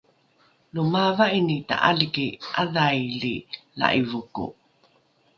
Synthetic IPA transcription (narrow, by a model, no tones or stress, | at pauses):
lumavainita̰ʔalikiʔaðajlila̰ʔivukṵ